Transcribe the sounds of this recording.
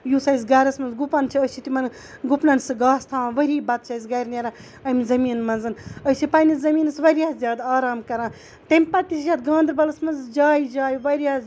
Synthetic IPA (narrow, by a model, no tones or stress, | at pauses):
jusɐjsɡɐɾɐsmɐnzɡupɐnt͡ʃʰiəst͡ʃʰit̪imɐn | ɡupnɐnsɨɡaːst̪ʰaːãʋɐɾʲiːbɐt̪̚t͡ʃʰɐsʲɡɐɾʲnʲeɾa | ɐmʲzɐmiːnmɐnzɨnəsʰipɐnɐzɐmiːnɨsʋɐɾʲjaːzʲjaːd̪aːɾaːmkɐɾãː | t̪ɐmʲpɐt̪ːiszjʲaːd̪ɡãːnd̪ɾbɐlɐsmɐnzd͡ʒaːjid͡ʒaːjʋɐɾʲjaː